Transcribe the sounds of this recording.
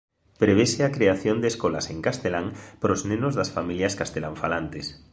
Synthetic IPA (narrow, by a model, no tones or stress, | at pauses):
pɾeβeseakɾeaθjond̪eskolaseŋkast̪elaŋpɾoznẽnozðasfamiljaskast̪elaɱfalant̪es